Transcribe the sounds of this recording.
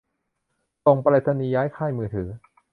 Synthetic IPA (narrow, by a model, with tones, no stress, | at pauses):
so˨˩ŋple˨˧˩t̪ʰːa˧niː˧jaː˦˥jkʰaː˥˩jmɯː˧t̪ʰɯː˩˦